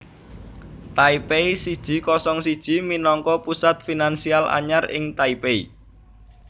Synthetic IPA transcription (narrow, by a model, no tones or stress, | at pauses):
t̪aipeisid̥ʒ̥i̤kɔsɔŋsid̥ʒ̥i̤minɔŋkɔpusat̪̚finansialʔa̰ɲarɪ̰ŋt̪aipeḭ